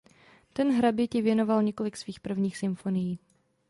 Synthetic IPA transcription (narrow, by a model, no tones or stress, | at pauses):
t̪ɛnɦɾabɪcɪvjɛno̞valɲɛko̞lɪksviːxpr̩vɲiːxsɪmfo̞nɪjiː